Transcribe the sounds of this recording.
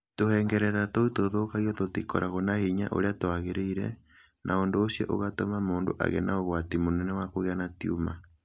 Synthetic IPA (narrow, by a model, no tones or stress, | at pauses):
tohɛːŋɡɛɾɛðatoutoðokaɣiototikɔ̰ɾʔaɣonahiɲa̰ʔo̰ɾeatoaɣeɾeiɾɛ̰ | nʔaondoːsjo̰ʔoɣatomamoːndo̰ʔa̰ɣɛ̰naoɣwatimonɛnɛwakoɣeanatiuma